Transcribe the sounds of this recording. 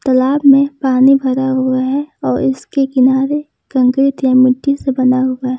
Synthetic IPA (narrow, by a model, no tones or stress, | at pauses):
t̪ɐlaːbmẽpaːnibʱɐɾaɦʊaɦɛɔːɾɪ̰skekɪnaːɾe | kɐ̃ŋkɾɪt̪jamɪʈːisebɐnaɦʊaɛ